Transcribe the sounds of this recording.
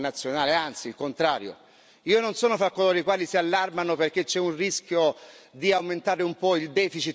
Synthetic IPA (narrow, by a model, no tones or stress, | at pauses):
nat̪sːjonaːleant̪silkont̪ɾaːɾjo̰ | iːononsɔːnofɾakːolɔːɾikwaːlisialːarmanoperk̟et͡ʃːɛunriskʲjod̪iawment̪aːɾeumpɔild̪ɛːfit͡ʃi